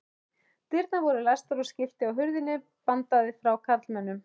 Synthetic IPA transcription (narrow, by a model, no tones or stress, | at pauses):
t̪ɪɾt̪navɔɾʏlast̪aɾɔscɪft̪ɪawɦʏɾðɪnːɪ | pant̪aðɪfɾawkʰat̪lmɛnːʏm